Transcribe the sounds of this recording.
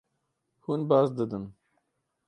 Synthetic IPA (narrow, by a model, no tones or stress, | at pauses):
hunbɑːzd̪ɨd̪ɨn